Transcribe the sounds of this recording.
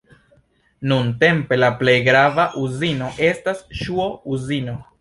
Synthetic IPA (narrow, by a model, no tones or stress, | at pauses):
nunte̞mpe̞laple̞jɡɾavaʔuzino̞ʔe̞stasʃuouzino̞